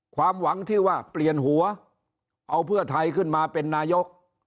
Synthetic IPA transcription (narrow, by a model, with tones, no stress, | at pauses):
kʰwaː˧mwa˩˦ŋt͡ɕ̪ʰɯː˥˩waː˥˩pli˨˩ənɦu˩˦ɐ | ʔa˧wpʰɯ˥˩ɐt̪ʰa˧jkʰɯ˥˩nmaː˧pe˧nːaː˧jo˦˥k̚